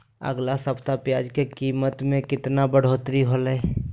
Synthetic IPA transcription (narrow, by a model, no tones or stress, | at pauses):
ə̰ɡlasəpt̪apjaːd͡ʒkekiːmət̪mẽkɪt̪nabəɽ̤oːt̪ɾiɦolɛ